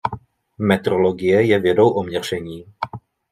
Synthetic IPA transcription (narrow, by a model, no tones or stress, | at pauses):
mɛt̪ɾolo̞ɡɪjɛjɛvjɛdo̞wʔomɲɛr̝̥ɛɲiː